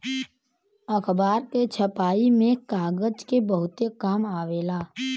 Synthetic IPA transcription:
əkʰbaːɾket͡ʃʰəpaːimẽkaːɡəd͡ʒkebəɦʊt̪ekaːmaːʋeːlaː

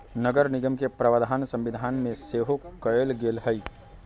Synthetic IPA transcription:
nəɡəɾnɪɡəmkepɾəʋəd̪ʱaːnsə̃mʋɪd̪ʱaːnmẽseɦokəelɡeːlɦəi

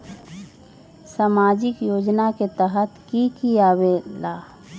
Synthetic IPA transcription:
saːmaːd͡ʒɪkjoːd͡ʒnaket̪əɦət̪kikiabelaː

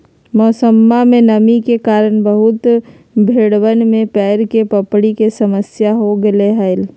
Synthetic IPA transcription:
mɔːsəmːamẽnəmikekaːɾənbəɦʊt̪ | bʱeːɽwənmẽpɛːɾkepəpɽikesəməsjaɦoɡəleɦəɪl

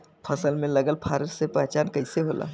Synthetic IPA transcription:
pʰəsəlmẽlɐɡəlpʰaːɾəɾsepɛɦt͡ʃaːnkɐɪseɦoːlʔa̰ː

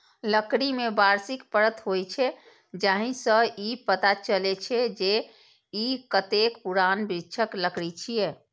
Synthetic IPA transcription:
ləkɽimebaɾsikpəɾət̪ɦojt͡ʃʰɛ | d͡ʒaɦĩsə̃ipət̪at͡ʃəlɛt͡ʃʰɛd͡ʒe | ikət̪ekpuɾanbɾitːʃʰəkləkɽit͡ʃʰije

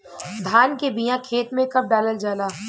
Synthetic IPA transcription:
d̪ʱaːnkebijãkʰeːt̪mẽkɐp̚ɖaːləld͡ʒaːlaː

